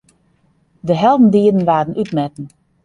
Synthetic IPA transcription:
dəɦɛlˠdn̩diədən̩ʋaːdənʔytmɛtn̩

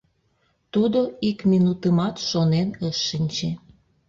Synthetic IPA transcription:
t̪ud̪oikminut̪əmɑt̪ʃonenəʃːinʲt͡ɕe

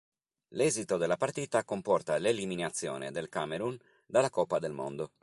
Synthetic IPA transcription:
lɛːzit̪od̪elːapaɾrt̪iːt̪akompɔrt̪aleliminat̪sːjɔ̰ːnḛd̪elkameɾun | d̪alːakɔpːad̪elmo̰nd̪o

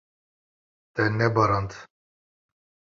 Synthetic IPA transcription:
t̪ɛnːɛbɑɾɑnt̪

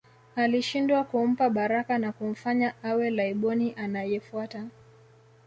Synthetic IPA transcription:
aliʃindwakum̩paɓaɾakanakum̩faɲaawɛlaiɓɔniʔanajɛfuata

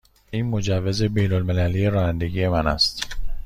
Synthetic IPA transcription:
iːnmo̞d͡ʒævːe̞ze̞be̞jnolme̞lælije̞ɾɒːnænd̪e̞ɟije̞mænæ̰st̪

